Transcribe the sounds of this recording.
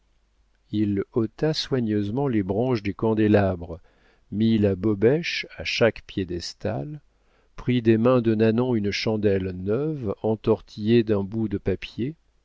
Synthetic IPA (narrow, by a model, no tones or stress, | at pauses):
ilot̪aswaɲøzmɑ̃lebʁɑ̃ʃd̪ekɑ̃d̪elabʁə | milabɔbɛʃaʃakpjed̪ɛst̪al | pχid̪emɛ̃d̪ənanɔ̃ynʃɑ̃d̪ɛlnœvɑ̃t̪ɔʁt̪ʰijed̪ɛ̃bud̪əpapje